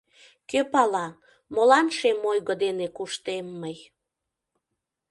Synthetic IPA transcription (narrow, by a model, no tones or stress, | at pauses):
køpɑlɑ | molɑnʃemojɣəd̪enekuʃt̪emːəj